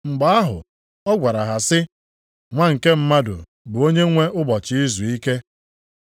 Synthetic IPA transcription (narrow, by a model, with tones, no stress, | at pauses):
ŋ͡m̩˨ɡ͡ba˨a˦ɦʊ̰˨ | ɔ˦ɡʷa˨ɾa˨ɦa˨sɪ˦ | ŋʷa˦ŋ̩˨ke˦m̩˦ma˦dʊ̰˨ | bʊ˨o˦ɲe˦ŋʷe˦ʊ˦bɔ˨t͡ʃɪ˨˦i˦zu˨i˦ke˦